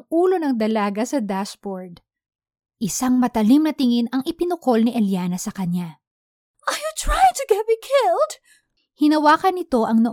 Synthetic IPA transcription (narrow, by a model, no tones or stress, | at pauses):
ʔuːlo̞nɐŋd̪ɐlaːɡɐsɐd̪aspoɹd̪ | ʔɪsaŋmɐt̪ɐlimnɐt̪ɪŋɪnɐŋʔɪpɪnʊko̞lnɪʔɐljanɐsɐkɐɲa | ʔɐjut̪ɹajɪŋt̪ʊɡɛt̪̚mikʰɪld̪ | hɪnɐwaːkɐnɪt̪o̞ʔɐŋnɐ